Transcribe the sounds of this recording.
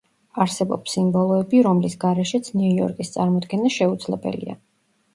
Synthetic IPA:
aɾsɛbɔ̰psimbɔlˠɔɛbiɾɔmlisɡaɾɛʃɛt̪sʰniujɔ̰ɾkʼist̪sʼaɾmɔd̪ɡɛnaʃɛud̪zlɛbɛ̰lḭa̰

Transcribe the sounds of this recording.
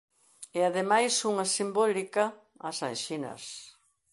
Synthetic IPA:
eaðemajsuŋɐsimbɔlikɐː | sa̰jʃinɐ̰s

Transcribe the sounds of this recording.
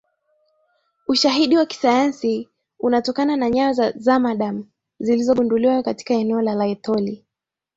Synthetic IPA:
uʃaɦiɗiwaki̥sajansi | unatɔkananaɲawazazamaɗam̩ | zilizɔɓunduliwakati̥kaɛnɛɔlalaɛtɔli

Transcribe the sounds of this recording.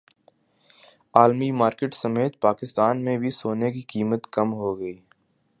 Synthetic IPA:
aːlmimaːɾkeːʈsɐmeːt̪̚paːkɪst̪aːnmẽbʱisoːnekikiːmət̪kɐmɦoɡəiː

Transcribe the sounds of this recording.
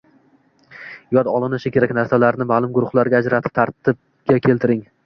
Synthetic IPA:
jɒd̪ɒlˠɪnɪʃɪkʲe̞ɾakʲnaɾsalaɾnɪmaːlˠʊmɡʊɾʊχlˠaɾɡʲaːd͡ʒɾat̪ʰɪ̥p̚t̪ʰaɾt̪ʰɪb̚ | ɡʲakʲʰe̞lt̪ɪɾɪŋ

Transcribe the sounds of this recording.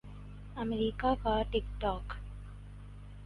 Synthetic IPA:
ɐmeɾiːkaːkaʈikʈaːk

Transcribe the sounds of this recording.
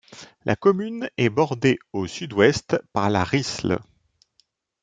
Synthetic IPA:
lʔa̰kɔmynɛbɔʁd̪eosyd̪wɛst̪paʁla̰ʁisl̰

